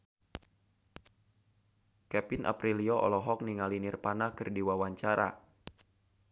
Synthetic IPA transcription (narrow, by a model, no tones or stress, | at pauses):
kɛpinʔa̰pɾiliɔʔɔ̰lɔɦɔk̚niŋalinirpanahkɨrdiwawaɲt͡ʃaɾa̰